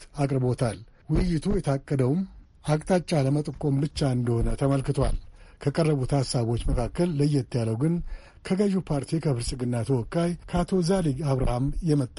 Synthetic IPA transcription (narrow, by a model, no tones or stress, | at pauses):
akʼɾɨbo̞t̪ʰal | wɪjːɪt̪ʰujɛt̪ʰakʼːəd̪əwm | ʔakʼt̪ʼat͡ʃʼːaləmət̪ʼɨkʼo̞mbɨt͡ʃːaɨnd̪əho̞nət̪ʰəməlkɨt̪ʰwa̰lkʰəkʼərːəβut̪hasːaβo̞t͡ʃːməkʰakːəlːəjːɛt̪ʰːjaləwɡɨn | kʰəɡəʒupʰaɾt̪ʰikʰəfɨɾsʼɨɡɨnːat̪ʰəwɔkʼːajkʰat̪ʰo̞zaliɡaβɾa̰hamjɛmət̪ʼː